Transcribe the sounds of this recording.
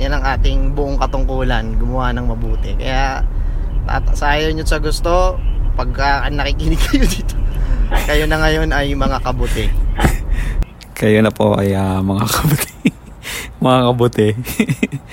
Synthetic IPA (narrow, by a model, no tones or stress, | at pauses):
jɐnɐŋʔaːt̪ɪŋbʊʔoŋkɐt̪ʊŋkuːlɐnɡʊmʊwanɐŋmɐbuːt̪ɛkɐ̰ja | ta̰ːt̪ɐsɐʔaːjowɲosɐɡʊst̪o̞pɐɡ̚kɐʔɐŋnɐkikɪnɪɡ̚kɐjod̪iːt̪o̥kɐjonɐŋɐjo̞nɐjmɐŋakɐbʊt̪ɛ | kɐjonɐpoʔɐjamɐŋakɐbʊt̪ɛ | mɐŋakɐbʊt̪ɛ